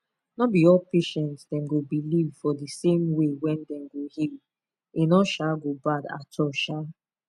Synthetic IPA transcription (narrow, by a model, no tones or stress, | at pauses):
nɔbiɔlpeʃɛ̃ntsdɛ̃mɡobilivfɔdəsẽmwewɛ̃ndɛ̃mɡohil | enɔʃaɡobada̰tʰɔʃa